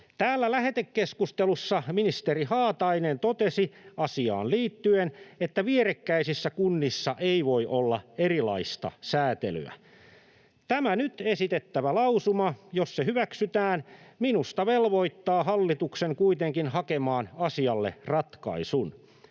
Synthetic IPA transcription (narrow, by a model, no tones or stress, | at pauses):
t̪æːlːælæɦe̞t̪ekːeskust̪elusːɑminist̪eɾihɑːt̪ɑinent̪ot̪esiɑsiɑ̰ːnliːt̪ːyenet̪ːæʋieɾekːæisisːækunːisːɑʔeiʋo̞iʔolːɑ̰erilɑ̰ist̪ɑ̰sæːt̪ḛly̰æ̰ | t̪æmænyt̪esit̪et̪ːæʋælɑusumɑjo̞sːehyʋæksyt̪æːnminust̪ɑʋelʋo̞it̪ːɑːɦɑlːit̪ukseŋkuit̪eŋkinhɑkemɑːnɑsiɑlːḛrɑt̪kɑ̰isun